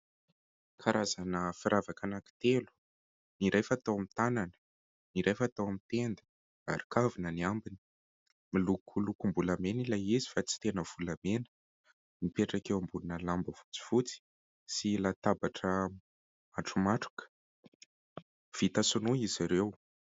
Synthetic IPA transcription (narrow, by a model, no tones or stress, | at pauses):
kʰaɾazanəfiɾʔavakanaki̥t̪elu̥ | niɾejfat̪awamit̪ananə̥ | niɾejfat̪awamit̪end̪ə̥ | a̰ɾikavinəniambini̥ | milukʰulukumbulamenilajizi̥fat͡si̥t̪enəv̥ulamenə̥ | mipeʈ͡ʂakewambulunəlambəv̥u̥t͡si̥v̥ut͡si̥ | silat̪abaʈ͡ʂə | aʈ͡ʂumaʈ͡ʂu̥kə̥ | v̥it̪asunuiziɾew